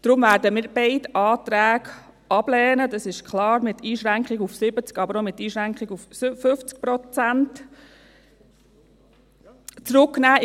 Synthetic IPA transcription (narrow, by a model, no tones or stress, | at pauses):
d̥ɾʊmvæːɾdəmɪːɾbeɪtɑːt̪ɾæːɡ | ʔɑb̥lɛːnəd̪ɑsɪʃkχlɑːɾmɪtiːʃɾæŋkχiɡufsɪbət͡skɑbəɾomɪtːiːʃɾæŋkχiɡufsfʏft͡sk̚pɾɔt͡sænt | t͡sɾʊkːnæː